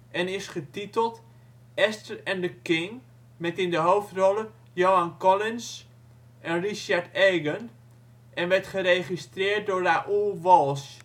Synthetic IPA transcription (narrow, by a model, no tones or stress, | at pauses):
ʔɛnɪsχətitəlˠt | ɛstəɹɛndəkɪŋ | mɛtɪndəɦowftrɔlˠə | jowankɔlɪns | ʔɛnriʃaɹteːɡən | ʔɛnʋɛɹtχəɾeχistrɪːɹt̚dʊːɹaʔulˠʋɔlˠs